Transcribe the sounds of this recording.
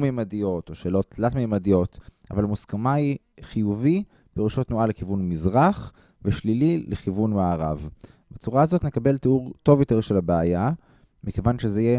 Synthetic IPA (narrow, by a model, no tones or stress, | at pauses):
memadijo̞to̞ʃe̞ːlo̞ttlatmemadijo̞t | a̰valamuskamai | χijuvi | peʁuʃotnualekivunmizʁaχ | veʃlilileχivunmaːʁa̰v | bet͡suʁaazo̞tne̞kabe̞lteuʁto̞vjote̞ʁʃe̞labeaja | mike̞vanʃezeije